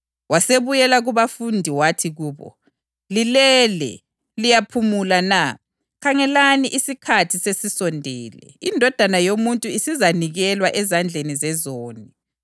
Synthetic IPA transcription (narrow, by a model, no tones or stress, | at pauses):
waseβujɛlaɣuβafundʱiwatʰiɣuːβɔ̰ | lilɛːlɛ̰ | lijapʰumulana | kʰaŋɛlaniʔisikʰatʰisesisɔndʱɛ̰ːlɛ̰indʱɔd̥ʱanajomuntʼuisizaniɣɛlwaʔɛzand͡ɮʱenizɛzoːni